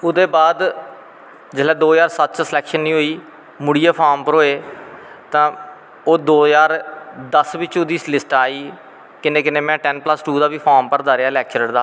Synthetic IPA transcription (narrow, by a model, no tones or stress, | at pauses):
ʊd̪eːbaːd̪ | d͡ʒəlɛːd̪oːjaːɾsət̪̚ːt͡ʃsɪlɛːkʃənːĩːɦoːiː | mʊɽiːəːpʰaːɾmpəɾɦoːeː | t̪ãː | oːd̪oːjaːɾd̪əsʋɪt͡ʃʊd̪iːlɪsʈaːiː | kɪnẽːkɪnẽːmɛ̃ːʈɛːnpləsʈuːd̪aːʋiːpʰaːɾmpəɾd̪əːɾeaːlɛːk̚t͡ʃəɾəɽd̪aː